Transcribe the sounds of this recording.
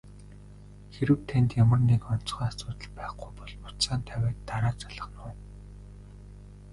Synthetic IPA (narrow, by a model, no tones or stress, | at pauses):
xeɾɘ̆wt̪ʰænʲt̪jamə̆rnekɔn̥t͡sχœːasʊːt̪ə̆ɮpæːχɡʊjpɔɮmʊt̪saːnt̪ʰæwæːt̪ːaɾaːt͡sḁɮə̆χnʊː